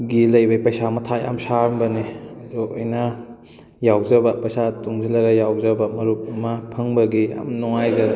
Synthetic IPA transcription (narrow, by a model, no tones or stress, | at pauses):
ɡilɐjbajpɐjsamɐtʰaja̰msaɾmbɐniɐdɔɐjnɐ | jawzɐbɐpɐjsatuŋzilɐɡɐjawzɐbɐmɐɾup̚ɐmɐpʰɐŋbɐɡia̰mnɔŋajzɐɾ